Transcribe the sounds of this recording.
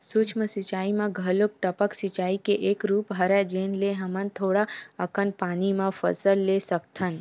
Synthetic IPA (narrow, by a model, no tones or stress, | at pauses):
sut͡ʃʰməsit͡ʃaimãɡʱəlok̚ʈ̪əpəksit͡ʃaikeʔekɾupɦəɾad͡ʒenleɦəmənt̪ʰoɽaəkənpanimãfə̰səlːesək̚t̪ʰən